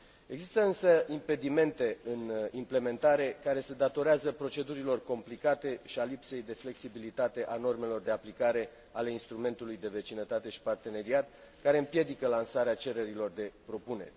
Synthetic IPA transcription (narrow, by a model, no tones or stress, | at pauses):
e̞ɡzist̪əɨnsəimpe̞d̪ime̞nt̪e̞ɨnimple̞me̞nt̪aɾe̞kaɾe̞se̞d̪at̪o̞ɾeazəpɾo̞t͡ʃe̞d̪uɾilo̞rko̞mplikat̪e̞ʃialipse̞jd̪e̞fle̞ksibilit̪at̪e̞ʔano̞rme̞lo̞rd̪e̞aplikaɾe̞ | ale̞inst̪ɾume̞nt̪ulujd̪e̞ve̞t͡ʃinət̪at̪e̞ʃi̥part̪e̞ne̞ɾiat̪̚ | kaɾe̞ɨmpje̞d̪ikəlansaɾeat͡ʃe̞ɾe̞ɾilo̞rd̪e̞pɾo̞pune̞̰rʲ